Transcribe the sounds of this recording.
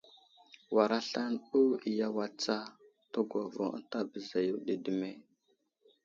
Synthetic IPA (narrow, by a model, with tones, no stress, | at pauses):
wa˨ɾa˦ɬa˦nu˦i˨ja˦wa˨t͡sa˦ | to˦ɡʷa˨vo̰˨˦ta˦bə˨za˨ju˦ɗi˨də˨me˦